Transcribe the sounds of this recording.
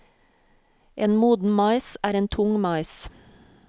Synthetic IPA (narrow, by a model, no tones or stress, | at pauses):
ʔeːnmuːd̪n̩mɑɪsæːɾeːnt̪ʰʊŋmɑɪs